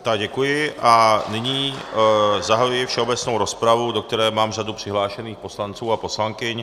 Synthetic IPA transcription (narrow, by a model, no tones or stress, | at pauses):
t̪aɡɟɛkujɪʔanɪɲiː | zaɦajujɪfʃɛobɛt͡snowɾospɾavud̪ok̚t̪ɛɾɛːmaːmrad̪upr̝̥ɪɦlaːʃɛniːxposlant͡suːaposlaŋkɪɲ